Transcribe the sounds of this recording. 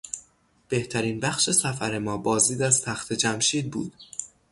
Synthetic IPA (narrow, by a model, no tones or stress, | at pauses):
b̥e̞ht̪ʰæɾiːnbæxʃe̞sæfæɾe̞mɒːbɒːzd̪iːd̪æzt̪ʰæxt̪ʰe̞d͡ʒæmʃiːd̪̚bṵːd̪̥